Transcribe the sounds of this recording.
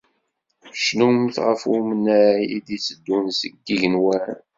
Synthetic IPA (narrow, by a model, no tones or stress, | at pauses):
ʃnumθʁəfumənːæjid̪isəd̪ːunsəɡ̚d̪iʝənwæn